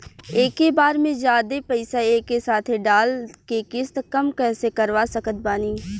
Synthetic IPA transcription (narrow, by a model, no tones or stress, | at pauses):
eːkːebaːɾmẽd͡ʒjaːd̪epəɪsaeːkːesaːt̪ʰɖaːlkekɪst̪kɐmkɛːsekɐɾʋasəkət̪̚baːniː